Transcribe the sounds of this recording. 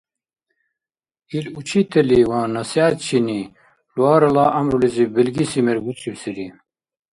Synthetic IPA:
ilut͡ɕʰit̪ʰeliwãːnɐsjaːt̪t͡ɕʰini | lwaːɾɐlaːʔɐmɾulizibilɡisimeɾɡut͡siwsiɾi

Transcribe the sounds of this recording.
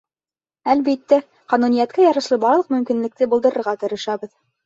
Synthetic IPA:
ælbit̪ːæ | qɑnunijæt̪kæjɑɾɤ̆ʃlˠɤbɑɾlˠɤ̆q̚mɵ̆mkinlɘ̆k̚t̪ɘbuld̪ɤ̆ɾɤ̆ɾʁɑt̪ŏɾɤ̆ʃɑβɤð

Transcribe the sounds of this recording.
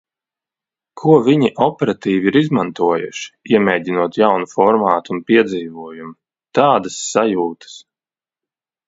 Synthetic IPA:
kʰuɔviɲiʔɔpɛɾat̪iːviiɾizmant̪uɔjṵʃi̥iɛmɛːɟʲinuɔt̪jawnufɔɾmaːt̪unpiɛd̪ziːvuɔjumu | t̪aːd̪asːajuːt̪ʰɨ̥s

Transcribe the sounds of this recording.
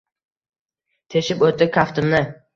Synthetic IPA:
t̪ʰeʃɪpot̪ɪp̚kʰʲaft̪ɪmnɪ

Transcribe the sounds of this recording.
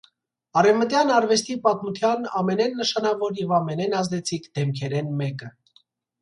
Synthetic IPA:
ɑɾɛvmət̪jɑnɑɾvɛst̪ipɑt̪mut̪ʰjɑnɑmɛnɛnːəʃɑnɑvɔɾjɛvɑmɛnɛnɑzd̪ɛt͡sʰikʰd̪ɛmkʰɛɾɛnmɛkə

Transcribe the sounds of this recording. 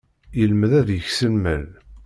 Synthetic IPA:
jəlməðæðjəçsəlmə̰l

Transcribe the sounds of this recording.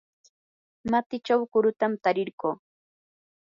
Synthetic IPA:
mat̪ɪt͡ʃawkʊɾʊt̪amt̪aɾɪɾɢoː

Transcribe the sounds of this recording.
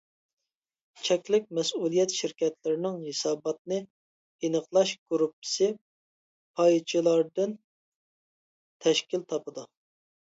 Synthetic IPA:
t͡ʃʰɛkʲlɪkʲmɛsulˠijɛt̪ʃɪɾkʲɛt̪ʰlɪɾɪnɪŋɦesɑːbɑt̪̚nɨ | inəqlˠɑʃɡ̥uɾupɪ̥sɪ | pʰɑjt͡ʃʰilˠɑɾd̪ɨn | t̪ʰɛʃkʲilt̪ʰɑpɨd̪u

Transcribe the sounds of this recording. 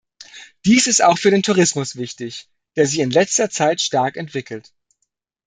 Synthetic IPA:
d̥iːsɪstaʊxfyːɐdeːntʰuʁɪsmʊsv̥ɪçtɪç | d̥eːɐzɪçɪnlɛt͡stɐt͡saɪtʃtaɐkɛntv̥ɪkl̩t

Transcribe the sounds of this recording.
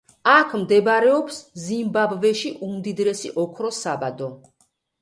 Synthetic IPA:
akʰmd̪ɛbɾɛɔpszimbabvɛʃiʔumd̪id̪ɾɛsḭʔɔkʰɾɔsabad̪ɔ

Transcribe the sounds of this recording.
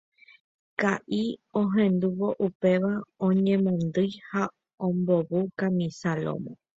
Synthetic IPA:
kaʔiõɦẽ̞nd̪uʋo̞ʔupe̞ʋaõɲẽ̞mõnd̪ɨjha | õmbo̞βukamĩsalo̰mõ

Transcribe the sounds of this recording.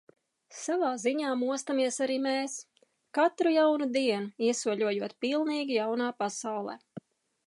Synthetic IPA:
savaːziɲaːmuɔst̪amiɛsaɾiːmeːs | kat̪ɾujawnud̪iɛnuiɛsuɔʎuɔjuɔt̪pilˠniːɡʲijawnaːpasawlˠɛ̰ː

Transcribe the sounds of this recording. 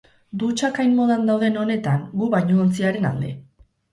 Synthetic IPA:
d̪ut͡ʃakajnmo̞ð̞and̪awðe̞no̞ne̞t̪aŋɡuβajɲoont͡siaɾe̞na̰ld̪e̞̰

